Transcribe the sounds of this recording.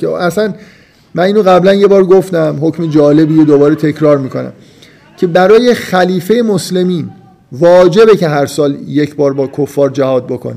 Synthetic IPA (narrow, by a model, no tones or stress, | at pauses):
eæsæn | mæniːnoɣæblænje̞bɒːɾɡoft̪æmho̞cmed͡ʒɒːle̞biːjod̪obɒːɾet̪ʰe̞cʰɾɒːɾmiːkʰo̞næ̰m | cʰe̞bæɾɒːje̞xæliːfe̞jemosle̞miːn | vɒːd͡ʒe̞be̞cʰe̞ɦæɾsɒːlje̞cʰbɒːɾbɒːkʰofːɒːɾd͡ʒæhɒːd̪̚bo̞kʰo̰ne